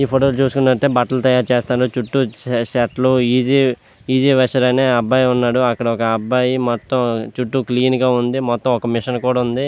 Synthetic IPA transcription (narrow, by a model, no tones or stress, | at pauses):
iːpʰoʈoːlut͡ʃuːsu̥kunːɐʈːeːbɐʈɐlt̪ɐjaːɾut͡ʃeːst̪aːɾot͡ʃuʈːuʃɐʈluiːd͡ʒi | iːd͡ʒiːʋɐʂɐɾɐneːɐbːaːjunːaːɽuɐkːɐɽɐɔkɐɐbːaːjimɔt̪ːɐmt͡ʃuʈːukliːnɡaːund̪imɔt̪ːɐ̃mɔkɐmiʂɐnkuːɽaund̪i